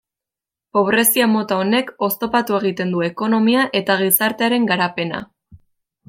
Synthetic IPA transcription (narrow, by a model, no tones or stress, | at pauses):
po̞β̞ɾe̞siamo̞t̪aone̞ko̞st̪o̞pat̪ue̞ɣ̞it̪e̞nd̪ue̞ko̞no̞miaʔe̞t̪aɣ̞isaɾt̪e̞aɾe̞ŋɡaɾape̞na̰